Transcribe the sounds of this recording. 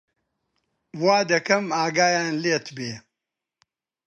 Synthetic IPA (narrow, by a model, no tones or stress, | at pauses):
wwaːd̪ɐkɐmaːɡaːjaːnleːt̪beː